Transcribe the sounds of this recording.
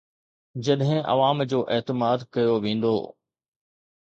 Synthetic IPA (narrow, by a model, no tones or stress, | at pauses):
d͡ʑɐɗɦɪ̃ʔɐ̰ʋaːmd͡ʑoːʔɛːt̪ɪmaːd̪kɐjoʋẽːn̆d̪o̰ː